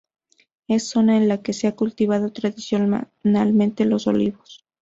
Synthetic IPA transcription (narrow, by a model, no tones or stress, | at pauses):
e̞sːo̞naenlake̞seakult̪iβað̞o̞t̪ɾaðisjo | nalmẽnt̪elo̞so̞̰liβo̞s